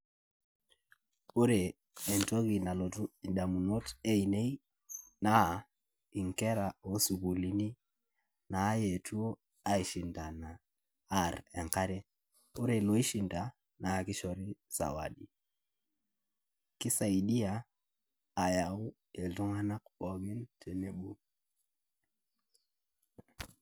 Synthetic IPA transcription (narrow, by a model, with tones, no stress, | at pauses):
u˦ɾɛː˨ | ntɔ˦ɣi˨na˨lɔ˨tu˦i˨ɗa˨mu˨nɔ˦tɛ˦i˨nɛ˦i˦ | na˦ | i˨ŋkɛ˦ɾa˨o˦su˨ɣu˨li˨ni˦ | naː˨˦jɛ˨tʰu˦ɔ˦ | a˦i˨ʃi˨nda˨naː˨˦ | ɾɛ˨ŋka˦ɾɛ˦ | o˦ɾe˨lo˨i˦ʃi˨nta˨ | na˨ki˦ʃɔ˨ɾi˦sa̰˨wa̰˨ɗi˨ | ki˦sa˨i˨di˦aː˨ | ja˨u˦ | e˨ltu˦ŋa˦na˦kbɔ˨ɡi˦ntʰe˨ne˨ɓu˦